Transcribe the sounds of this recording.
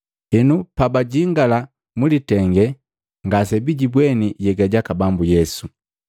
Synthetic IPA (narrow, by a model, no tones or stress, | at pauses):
ɛnupabaɟiŋɡala | mulitɛŋɡɛ | ŋɡasɛbiɟibwɛniɟɛɡaɟakabambujɛsu